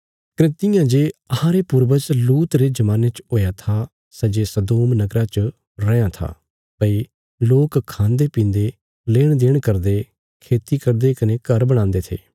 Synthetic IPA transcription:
kɾɪt̪ɪjãd͡ʒeːɐhãɾepʊɾbət͡ʃluːt̪ɾed͡ʒɐmãːnet͡ʃɦoːjat̪ʰa | sɐd͡ʒesɐd̪oːmnɐɡɾat͡ʃə | ɾɐjãt̪ʰa̰ː | pɐi | loːkkʰːãːnd̪epĩːnd̪e | leːɽ̃d̪eːɽ̃kɐɾd̪e | kʰeːt̪ikɐɾd̪ekɐnekɐɾbɐɽ̃ãːnd̪et̪ʰḛː

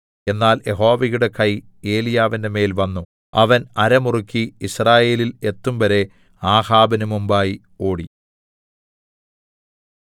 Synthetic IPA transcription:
e̞nːaːljʔe̞ɦo̞ːʋɐɣjuɽe̞kʰɐj | e̞ːlijaːʋinde̞me̞ːlʋɐnːu | ɐʋɐnɐɾɐmurukʲːiisraːje̞ːlile̞t̪ːumʋɐɾe̞ | aːhaːbɐnumumbaːji | o̞ːɽi

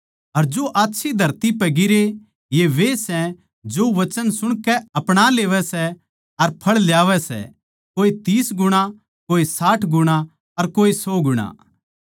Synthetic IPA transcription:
ɐɾd͡ʒoʔaːtːʃʰid̪ʱɐɾt̪ipɛɡɪɾe | jeʋesɛ̃ | d͡ʒoʋɐt͡ʃənsʊɽ̃kɛɐpɽ̃aleːʋɛsɛ | ɐɾpʰɐɭljaːʋɛsɛ̰ | koːit̪iːsɡʊɽ̃a | koːisaːʈʰɡʊɽ̃a | ɐɾkoːisɔːɡʊɽ̃a̰

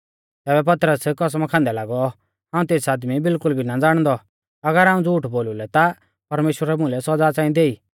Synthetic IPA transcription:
t̪ɛːbɛp̬ɐt̪ɾəskɔs̬mãkʰãːnd̪ɛlaːɡɔ | ɦãːũt̪eːsaːd̪mibɪlkʊlbʱinad͡zaːɽ̃d̪ɔ | ɐɡəɾɦaːũd͡zuːʈboːlulɛt̪a | pɐɾmeːʃwəɾɛmʊ̃lɛsɔd͡zaːt͡sãːĩd̪eːiː

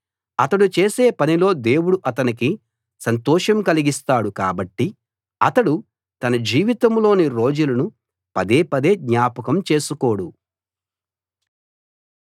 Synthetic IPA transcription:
ɐt̪ɐɽut͡ʃeːse̞ːpɐnilo̞ːd̪e̞ːwuɽuʔɐt̪ɐnik̬i | sɐnt̪ɔːʃɐmkɐliɡist̪aːɽukaːbɐʈːi | ɐt̪ɐɽu | t̪ɐnɐd͡ʒiːʋit̪ɐmlo̞ːniɾo̞ːd͡ʒulɐnu | pɐd̪e̞ːpɐd̪e̞ːd̪ɲaːpɐkɐmt͡ʃe̞ːsuko̞ːɽu

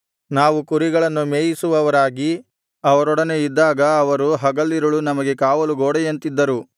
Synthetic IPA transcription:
naːʋukuɾiɡɐɭɐnːumeːjisuʋɐʋɐɾaːɡi | ɐʋɐɾɔɽɐne̞id̪ːaːɡɐːʋɐɾuɦɐɡɐlːiɾɐɭunɐmɐɡe̞kaːʋɐluɡoːɽɛjɐnt̪id̪ːɐɾu

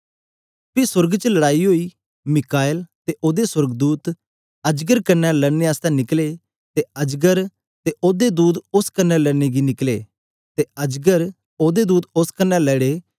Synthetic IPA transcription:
pisʊɾɡt͡ʃəlɐɽaːiɦoːi | mɪkaːɪlt̪eʔoːd̪eswəɾɡd̪uːt̪ | ɐd͡ʒɡəɾkɐnːɛləneaːst̪ɛnɪkle | t̪eɐd͡ʒɡəɾ | t̪eʔoːd̪ed̪uːd̪ʊskɐnːɛlɛːneɡinɪkleː | t̪eɐd͡ʒɡəɾ | oːd̪ed̪uːd̪ʊskɐnːɛlɛːɽeː

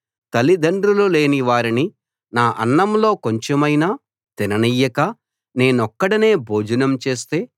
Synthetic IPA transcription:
t̪ɐlid̪ɐɳɖɾulule̞ːniʋaːɾini | naːʔɐ̰nːɐmlo̞ːkoɲt͡ʃemɐjnaː | t̪inɐnijɐkɐ | ne̞ːnɔkːɐɽine̞ːbʱo̞ːd͡ʒɐnɐmt͡ʃe̞ːst̪e̞ː

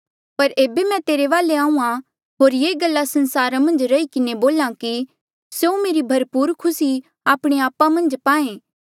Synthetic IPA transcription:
pɐɾeːbemɛ̃t̪eːɾeʋaːleãːũã | ɦoːɾjeːɡəlːasɐ̃nsaːɾamɐ̃nd͡ʒɾɐikɪneboːlãki | seumeːɾibʱɐɾpuːɾkʰʊsi | aːpɽ̃eaːpamɐ̃nd͡ʒpaːẽː

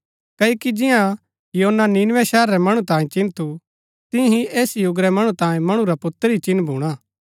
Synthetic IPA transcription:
kɐːokid͡ʒɪjã | joːnːaninʋɛʃɛːɾːɛmɐɽ̃ũt̪ãːẽt͡ʃɪ̃nt̪ʰu | t̪ɪ̃ɦieːsjʊɡɾɛmɐɽ̃ũt̪ãːjẽmɐɽ̃ũɾapʊt̪ːəɾit͡ʃɪ̃nbʱuːɽ̃aː

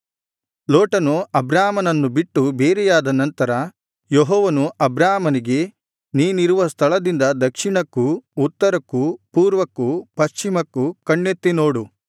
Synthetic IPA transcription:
loːʈɐnuɐbɾaːmɐnɐnːubiʈːubeːɾɛjaːd̪ɐnɐnt̪ɐɾɐ | joɦɔːʋɐnuʔɐbɾaːmɐniɡe̞ | niːniɾuʋɐst̪ʰɐɭɐd̪ind̪ɐd̪ɐkʂiɳɐkːuːt̪ːɐɾɐkːupuːɾʋɐkːupɐʃt͡ʃimɐkːukɐɳːet̪ːino̞ːɽu

